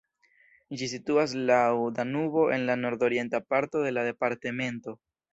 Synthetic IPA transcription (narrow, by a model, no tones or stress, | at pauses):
d͡ʒisituas̬lawd̪anubo̞ʔe̞nlano̞ɾd̪o̞ɾje̞ntapaɾto̞de̞lade̞paɾteme̞nto̞